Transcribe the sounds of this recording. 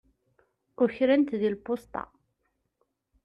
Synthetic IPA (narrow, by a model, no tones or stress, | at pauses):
ʊçɾænt̪ðilpʊst̪ɑ̰